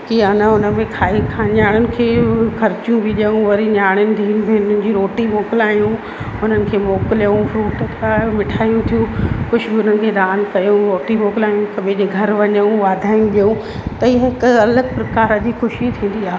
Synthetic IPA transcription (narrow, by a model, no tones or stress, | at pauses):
kiɐnəʊnə̆mẽkʰaːikʰãːɲaːɽ̃ʊnɪ̆kʰeːxɐɾt͡ɕijũbʱiʄəũʋɐɾiɲaːɽ̃ɪnɪ̆d̪ʱiːnbeʊnənɪ̆d͡ʑiːɾoːʈimoːkɪlaːjũ | ʊn̤ənɪ̆kʰeːmoːkɪljũfɾuːʈkʰamɪʈʰaːjũt̪ʰijũkʊʃɡiʊnənɪ̆kʰeːd̪aːnkɐjũɾoːʈimoːkɪlaːjũkɐɓʱed͡ʑeːɡʱɐɾʋɐɲəũʋaːd̪ʱaːɪjũɗijũ | t̪ɐiɦəɦɪkɐləɡpɾɐkaːɾɐd͡ʑixʊʃit̪ʰĩːn̆d̪iaːɦ